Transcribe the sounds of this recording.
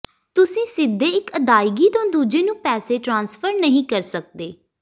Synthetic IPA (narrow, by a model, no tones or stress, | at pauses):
t̪ʊsĩːsɪd̪ʱːeːɪkəd̪aːiɡiːt̪õːd̪uːd͡ʒeːnũːpɛːseːʈɾãːnsfʰəɾnəɦĩːkəɾsək̚d̪eː